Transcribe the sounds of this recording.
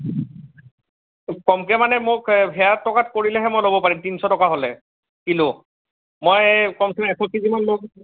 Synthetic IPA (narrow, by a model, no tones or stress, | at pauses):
kɔmkɛmanɛmʊkbʱɛjatːɔkatkoɹilɛɦɛmojlobɔpaɹimtinsɔtɔkaɦolɛ | kilʊ | mojkɔmkɛmɛkʰɔkizimanlok